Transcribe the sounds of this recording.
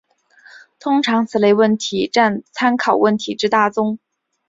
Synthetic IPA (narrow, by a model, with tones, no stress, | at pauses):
t̪ʰʊ˥ŋʈ͡ʂʰɑ˧˥ŋt͡sʰɹ̩˨˩le˧˥ɪwə˥˩nt̪ʰi˧˥ʈ͡ʂa˥˩nt͡sʰa˥nkʰɑ˨˩ʊwə˥˩nt̪ʰi˧˥ʈ͡ʂɻ̩˥t̪a˥˩t͡sʊ˥ŋ